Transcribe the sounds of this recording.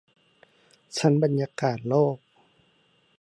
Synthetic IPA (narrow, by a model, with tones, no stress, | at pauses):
sʰa˧˥˨nba˨nɲaː˧˥kaː˨˩t̪̚lɔː˥˩k̚